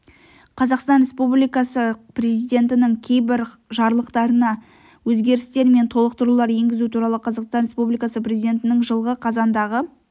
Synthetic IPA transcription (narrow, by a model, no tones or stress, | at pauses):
qʰɑzɑqst̪ɑnɾʲe̞spublijkɑsəpre̞zijd̪ʲe̞nt̪̬ɪnɪŋkʲʰe̞jbɪɾ | ʒɑɾlˠəqt̪ɑɾənɑ | wɵzɡʲe̞ɾɪst̪e̞ɾme̞nt̪ʰo̞lˠəq̚t̪əɾulˠɑɾje̞ŋɡʲɪzut̪ʰuɾɑlˠəqʰɑzɑqst̪ɑnɾe̞spublijkɑsəpre̞zijd̪ʲe̞nt̪ɪnɪŋʒəlˠʁəqʰɑzɑnd̪ɑʁə